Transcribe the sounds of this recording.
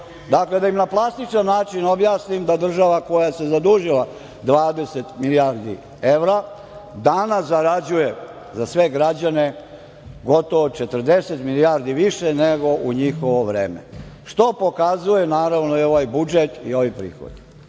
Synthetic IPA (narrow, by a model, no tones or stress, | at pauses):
d̪akle̞d̪aimnaplˠast̪it͡ʃanːaːt͡ʃino̞bjaːsnimd̪ad̪r̩ʒaʋako̞jase̞zad̪uʒilˠa | d̪ʋaːd̪e̞set̪miliaɾd̪ḭ | e̞ʋɾa | d̪anaszaɾad͡ʑuje | zasʋe̞ɡɾad͡ʑane | ɡo̞t̪o̞ʋot͡ʃet̪ərd̪e̞set̪milijaɾd̪iʋiʃeneɡo̞ʔuɲixoʋoʋɾḛːmḛʃt̪o̞po̞kazuje̞naːɾaʋnoio̞ʋajbud͡ʒet̪ḭo̞ʋipɾḭːxo̰d̪i